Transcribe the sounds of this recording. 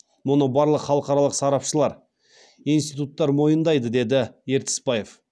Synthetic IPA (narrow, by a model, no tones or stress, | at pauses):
mʊnəbɑɾlˠəqχɑlˠəqɑɾɑlˠəqsɑɾɑpʃəlˠɑɾ | ijnst̪ijt̪ut̪ːɑɾmo̞jənd̪ɑjd̪əd̪e̞d̪ɪje̞ɾt̪ɪ̥spɑje̞f